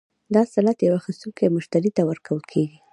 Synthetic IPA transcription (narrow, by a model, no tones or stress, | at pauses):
d̪ɑsalat̪jawaxist̪uŋkamʊʃt̪aɾit̪awəɾkʰawəlkʰeɡi